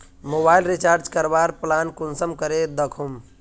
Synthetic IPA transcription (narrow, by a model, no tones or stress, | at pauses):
mobajlɾit͡ʃaɾd͡ʒkəɾbaɾplankunsəmkəɾed̪əkʰum